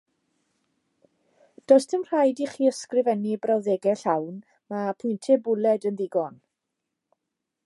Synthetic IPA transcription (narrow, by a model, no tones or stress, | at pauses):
d̥ɔstʰəmr̥ajdiχiːəskrɪvɛnibrawðeɡɛɬawn | mapʰʊjntʰɛbʊlɛdənðɪɡɔn